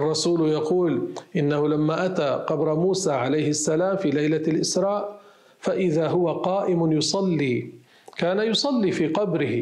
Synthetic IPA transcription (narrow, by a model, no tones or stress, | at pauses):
ʔɑrˤːɑsuːljɑquːlʔɪnːahʊlamːaːʔat̪aːqɑbɾmuːsaːʕalajhɪsːalaːmfiːlajlalʔɪsɾˤɑːʔ | faʔɪðaːɦʊwaqɑːʔɪmʊjʊsˤɑlːiː | kaːnajʊsˤɑlːiːfiːqɑbɾɪh